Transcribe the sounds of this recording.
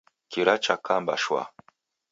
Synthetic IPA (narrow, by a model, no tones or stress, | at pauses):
kiɾat͡ʃakʰamba̰ʃwa̰